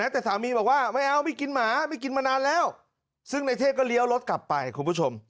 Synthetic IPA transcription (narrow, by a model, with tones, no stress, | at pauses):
nɛː˦˥t̪ɛː˨˩saː˨˩˦miː˧bɔː˨˩k̚waː˥˩ma˥˩jʔa˧wma˥˩jki˧nmaː˨˦ma˥˩jki˧nmaː˧naː˧nlɛː˦˥˩w | sɯ˥˩ŋna˧jt̪ʰeː˥˩kɔː˥˩li˦˥˦əwlo˦˥t̪̚kla˨˩pːa˧jkʰu˧npʰuː˦˥˩t͡ɕʰo˧m